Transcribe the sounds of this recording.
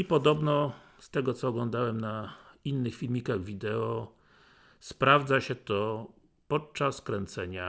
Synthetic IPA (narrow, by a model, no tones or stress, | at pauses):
ipɔd̪ɔbnɔ | st̪ɛɡɔt̪sɔːɡlɔnd̪awɛmnainːɘxfʲilmʲikaɣvʲid̪ɛɔ | spɾavd̪zaɕɛt̪ɔ | pɔt̪̚t͡ʂaskɾɛnt̪sɛɲa